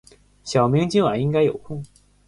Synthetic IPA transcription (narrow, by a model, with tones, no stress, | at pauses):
ɕjɑ˨˩ʊmi˧˥ŋt͡ɕi˥ŋwa˨˩ni˥ŋka˥ɪjo˨˩ʊkʰʊ˥˩ŋ